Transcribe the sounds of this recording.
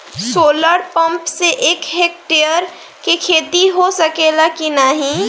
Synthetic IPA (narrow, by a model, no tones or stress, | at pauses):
soːləɾpə̃mpseʔeːkɦeːk̚ʈeəɾ | kekʰeːt̪iɦosəkelakinaɦĩ